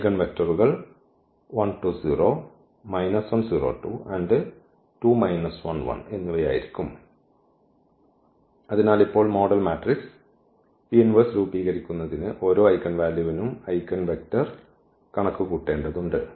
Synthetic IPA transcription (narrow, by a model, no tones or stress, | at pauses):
kɐnʋe̞k̚tɐruɣɐɭ | ʋɐnʈuːsiːro̞ː | mɐjnɐsʋɐnsiːro̞̰ːʈṵːʔɐɳɖɨ | ʈuːmɐjnɐsʋɐ̰nʋɐ̰ne̞nːuʋɐja̰ːjḭɾikʲːum | ɐðinaːlipːo̞ːɭmo̞ːɖɐlmaːʈriks | pienʋɐsɾuːbiːɣɐɾikʲːunːɐðinɨʔo̞ːɾo̞ːɐjkːɐnʋaːljuʋinumɐjkːɐnʋek̚tɐr | kɐɳɐkːuɣuːʈːe̞ːɳɖɐðuɳɖɨ